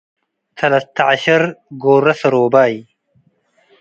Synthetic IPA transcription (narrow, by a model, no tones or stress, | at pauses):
t̪ʰɐlɐst̪ʰɐʕaɕɐɾɡoːɾɐsɐɾoːbaːj